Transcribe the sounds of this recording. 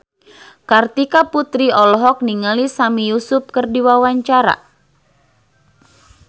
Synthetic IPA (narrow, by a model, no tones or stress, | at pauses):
kart̪ikaput̪ɾiɔlɔɦɔk̚niŋalisamijusʊp̚kɨrdiwawaɲt͡ʃaɾa̰